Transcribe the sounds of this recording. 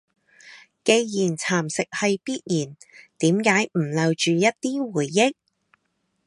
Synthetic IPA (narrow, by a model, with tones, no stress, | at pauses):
ke˧jjiː˨˩nt͡sʰaː˨˩msɪ˨k̚hɐ˨jpiː˥t̚jiː˨˩nt̪iː˨˥mkaː˨˥jm̩˨˩lɐ˨˧wt͡ʃyː˨jɐ˥t̚t̪iː˥wuː˨˩jːɪ˥k̚